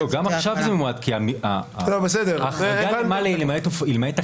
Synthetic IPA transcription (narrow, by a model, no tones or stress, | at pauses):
oɡamaχʃavzememuadkiamialobesed̪eʁaχɡalmalelemaet̪ofilmaet̪a